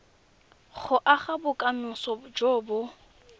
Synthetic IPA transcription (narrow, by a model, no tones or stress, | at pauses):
χʰʊʔaχabʊkʼanʊsɔd͡ʒoːbʊ